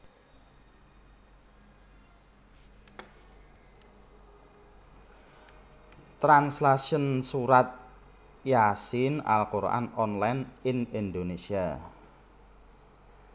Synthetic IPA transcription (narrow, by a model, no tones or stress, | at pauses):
t̪ɾanslaʃənsuɾat̪̚ | jasɪna̰lkoɾ̰ʔa̰nɔnlajninind̪onesia